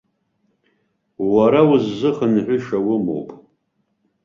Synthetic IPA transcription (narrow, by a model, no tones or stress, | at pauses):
waɾawʊzːɨχənħʷʊʂawʊmo̰wpʼ